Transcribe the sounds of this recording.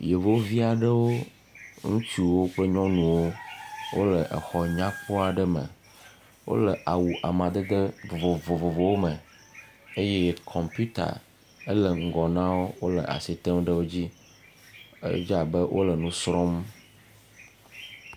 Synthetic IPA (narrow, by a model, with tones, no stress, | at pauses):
je˨vo˦vi˦a˨ɖə˦wo˦ | ŋũ˦t͡ʃu˦wo˦ɸə˦ɲɔ̃˦nũ˨wo˦wo̰˦lə˨ʔə̰˨xɔ˨ɲã˦ɸo˦a˨ɖə˦mə̰˨ | wo̰˦lə˨ʔa˨wu˨ʔa˨mã˨d̪ə˦d̪ə˦vo˨vo˨vo˨vo˨vo˨wo˦mə˨ | e˦jɛ˦kʰɔ˨mpu˦t̪a̰˨ | ə˦lə˨ŋ̩˨ɡɔ˨nã˦wo˦wo˦lə˨ʔa̰˨si˨t̪ə˦mɖə˦wo˦d͡ʑi˦ | ə̰˦d͡ʒa˨bə˦wʔo̰˦lə˨nũ˦sɾɔ˦m